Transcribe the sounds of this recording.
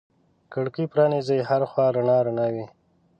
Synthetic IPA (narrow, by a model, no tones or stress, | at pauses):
kaɽkipɾɑnizəjhaɾaxwɑɾaɳɑɾaɳɑwi